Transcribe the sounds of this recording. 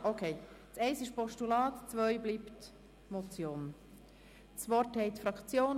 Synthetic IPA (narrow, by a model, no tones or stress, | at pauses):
ʔokʰeː | t͡sɛɪsɪʃpɔʃtulɑːt̪t͡svœʏbliːpt | mot͡sjoːn | t͡sʋɔɾthɛɪt̪fɾɑkt͡sjoːn